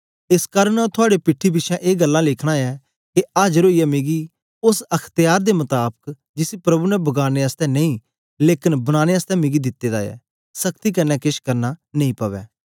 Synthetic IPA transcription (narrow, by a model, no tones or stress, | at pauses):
ɪskaːɾənɔt̪ʰʊaːɽepɪʈʰːibɪʃʰɛ̃ʔeːɡəlːãːlɪkʰɽ̃ãːɛː | keaːd͡ʒɾoːijɛːmeːɡi | ʊsɐkʰt̪ɪjaːɾd̪emʊt̪aːbək | d͡ʒɪsipɾɐbunɛbɐɡaːneəst̪ɛːnɐ̃ĩː | leːkɪnbəɽ̃aːneəst̪ɛmẽːɡid̪ɪt̪ːeːd̪a̰ːɛ̰ː | səkt̪ikənːɛːkɪʃkɐɾnaːnəĩːpəʋɛ̰ː